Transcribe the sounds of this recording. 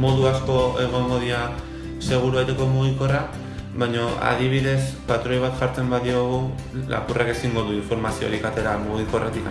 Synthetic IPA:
mo̞ðuasko̞e̞ɣ̞o̞ŋɡo̞ðia | se̞ɣ̞uɾuβajt̪eko̞muɣ̞iko̞ra | βajɲo̞a̰ðiβ̞iðe̞spat̪ɾo̞jβ̞at̪ʝaɾt͡se̞mbaðio̞ɣ̞u | la̰kureke̞siŋɡo̞ðuiɱfo̞ɾmasio̞̰ɾikat̪e̞ɾamuɣ̞iko̞ret̪ika

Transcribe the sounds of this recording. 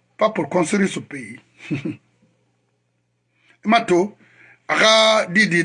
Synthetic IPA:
papukɔ̃nsiɾisupei | imato | akadidi

